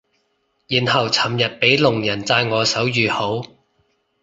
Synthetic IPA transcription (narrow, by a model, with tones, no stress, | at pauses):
jiː˨˩nhɐ˨˩wt͡sʰɐ˨˩mjɐ˨t̚pe˨˥jlʊ˨˩ŋjɐ˨˩nt͡saː˧jŋɔː˨˧sɐ˨˥wjyː˨ho˨˥w